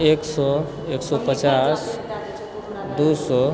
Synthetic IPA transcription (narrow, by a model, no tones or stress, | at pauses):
eksɔ | eksɔpət͡ʃas | d̪usɔ